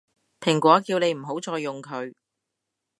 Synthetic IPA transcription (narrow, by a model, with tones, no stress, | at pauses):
pʰɪ˨˩ŋkʷɔː˨˥kiː˧wne˨˧jm̩˨˩ɦo˨˥wt͡sɔː˧jːʊ˨ŋkʰɵ˨˧ɥ